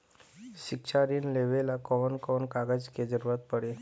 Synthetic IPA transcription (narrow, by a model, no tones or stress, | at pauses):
ɕikɕaɾiːnleʋelakɔʋənkɔnkaɡad͡ʑked͡ʑəɾʋat̪̚pəɽe